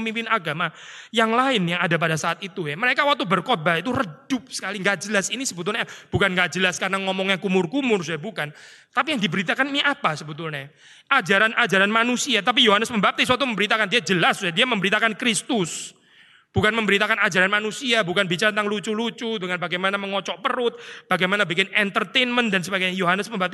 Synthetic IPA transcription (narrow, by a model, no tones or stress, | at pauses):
mimpɪnaɡamajaŋlaɪnjaŋadap̬adasaat̪it̪ujaməɾekawak̚t̪ubərkobait̪̬urədʊp̚sə̥kaliŋɡaʔd͡ʒəlasinisəbət̪̬ʊlnɛb̥ukanŋɡaʔd͡ʒəlaskaɾənaŋɔmɔŋjaŋkumʊrkumʊrsuɛbukan | t̪apijaŋdibəɾit̪̬akaninʔapasəbət̪̬ʊlnɛ | ʔad͡ʒaɾanʔad͡ʒaɾanmanusiat̪ap̬ijoɦanəsməmbap̪̚iswat̪̬uməmbəɾit̪akandiad͡ʒəlassuɛdiaməmbəɾit̪akankɾist̪ʊs | b̥ukanməmbəɾit̪akanad͡ʒaɾanmanusiabukanbit͡ʃaɾat̪ənt̪aŋlut͡ʃulut͡ʃudəŋanbaɡajmanaməŋɔt͡ʃɔʔpəɾʊt̪̚b̥aɡajmanabikɪnɛnt̪ərt̪enməndansəbaɡajɲajoɦanəsməmbap̚t̪i